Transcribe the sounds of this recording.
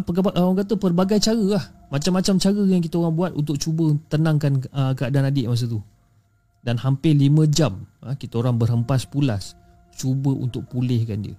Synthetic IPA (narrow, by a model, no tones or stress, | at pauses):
pəʔaŋkat̪əpərbaɡajt͡ʃaɾəlahmat͡ʃamːat͡ʃamt͡ʃaɣəjaŋk̬it̪əoɾaŋbuat̪̚unt̪ʊk̚t͡ʃubət̪ənãŋkanəkəadanadɪʔmas̬ət̪̬u | danhampɪlimə̃d͡ʒaməkit̪əoɾaŋbərɦəmpaspulas | t͡ʃubəʔṵnt̪ʊk̚pulɪhkandiə̰